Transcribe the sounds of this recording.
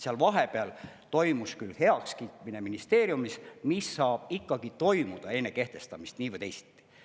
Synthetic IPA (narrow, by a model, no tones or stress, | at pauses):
seɑlvɑɦe̞peɑl | t̪o̞jmuskylhe̞ɑkskiːt̪ˑmine̞minist̪e̞ːɾjumismisːɑːb̥ikːˑɑɡ̥it̪o̞jmud̪̥ɑe̞nːe̞ke̞ht̪e̞st̪ɑmist̪niːvəjd̪ejsi̥t̪ːˑi̥